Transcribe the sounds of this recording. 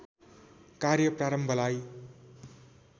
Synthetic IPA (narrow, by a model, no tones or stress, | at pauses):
kaɾjʌpraɾʌmbʱʌlaj